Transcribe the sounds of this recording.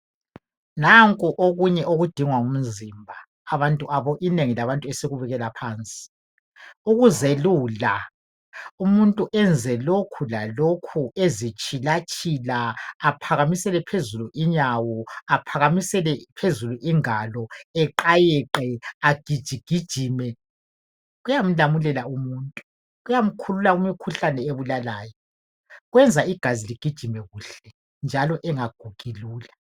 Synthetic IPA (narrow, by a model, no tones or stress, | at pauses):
naŋkʼuʔoɣuɲɛʔoɣud̥ʱiŋwaum̩zimbʱaː | βantʼuʔaβɔʔineŋilaβantʼuɛseɣuβɛɣɛlapʰaːnt͡sʼi̥ | uɣuzeluːla | umuntʼuʔɛnd͡zʱɛlokʰulalokʰuezit͡ʃʼilat͡ʃʼilaːpʰaɣamisɛlɛpʰezuluʔiɲawɔapʰaɣamisɛlɛpʰezuluʔiŋalɔɛǃajɛǃɛaɡ̥ʱid̥ʒ̥ʱiɡ̥ʱid̥ʒ̥ʱiːmɛ | ɣujam̩lamulɛlaumuːntʼu | ɣujam̩kʰululaumikʰuɬanɛeβulalaːjɔ | ɣwɛnd͡zʱaiɡ̥ʱaziliɡ̥ʱid̥ʒ̥ʱimɛɣuːɬɛ | nd͡ʒʱalɔʔɛŋaɡ̥ʱuɡ̥ʱiluːla